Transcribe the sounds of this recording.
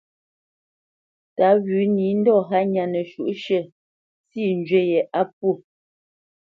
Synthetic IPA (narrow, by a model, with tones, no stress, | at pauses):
ta˨˦ɣʉ˨˦ni˨˦n̩˦dɔ˦˨ɦa˦ɲa˨nə˨ʃu˨ʔʃə˦˨ | si˦˨n˦d͡ʒɥɛ˦jɛ˨ʔa˦p̚u˦˨